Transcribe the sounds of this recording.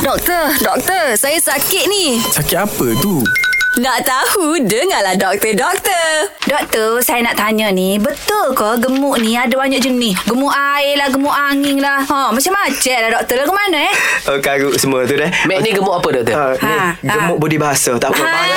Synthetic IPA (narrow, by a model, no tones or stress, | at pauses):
dɔk̚t̪ərdɔk̚t̪ərsajəsakɪt̪̚nisakɪapət̪unaʔt̪ahudəŋalahdɔk̚t̪ədɔk̚t̪ərdɔk̚t̪əsajanaʔt̪aɲənibət̪ʊlkɔɡəmʊʔniadəbaɲaʔ̚d͡ʒənɪsɡəmuʔaɪlahɡəmuʔaŋɪŋlahɔmat͡ʃamat͡ʃɛʔlahdɔk̚t̪əlakəmanəɛhokaɡuʔsəmuət̪udɛhmɛʔniɡəmʊʔapədɔk̚t̪əanɛɡəmʊʔbudihbaɦasət̪aʔpə